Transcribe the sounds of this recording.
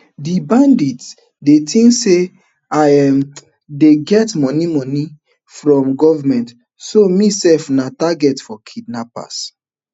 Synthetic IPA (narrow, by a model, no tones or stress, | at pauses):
dibãndit | detʰĩŋkse | ajm | deɡɛtmɔnimɔni | fɹɔ̃mɡɔvamɛ̃nt | somisɛlfnataɡɛtfɔkʰidnapa̰s